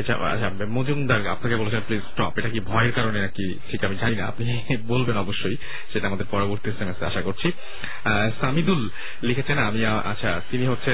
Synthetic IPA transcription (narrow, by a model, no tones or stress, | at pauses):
et͡ɕʰa̰a̰t͡ɕʰa | mod͡ʑumd̪aɾa̰pnaɾkebolet͡ɕʰenplizsʈɔ̰peʈakibʱɔeeɾkaɾonenaki | ʈʰikamid͡ʑaninaa̰pni | bolbenɔboʃːoj | ʃeʈaamad̪eɾpɔɾoboɾt̪iesemesea̰ʃakoɾt͡ɕʰi | samid̪ul | likʰet͡ɕʰenaamia | a̰tːɕʰat̪iniɦotːɕʰe